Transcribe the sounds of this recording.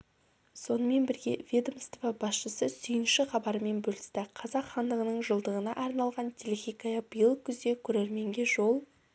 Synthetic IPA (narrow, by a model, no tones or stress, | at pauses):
so̞nəme̞nbɪɾɡʲe̞̰vʲed̪omst̪ovɑbɑsʃəsəsʏjɪnʃɪχɑbɑɾəme̞nbɵlɪst̪ɪqʰɑzɑqχɑnd̪əʁənəɴʒəlˠd̪əʁənɑʔɑɾnɑlˠʁɑnt̪ʰelʲexʲijkajɑbəjəlˠkʲʰʏzd̪e̞kʲʰɵɾeɾme̞ŋɡʲe̞ʒo̞lˠ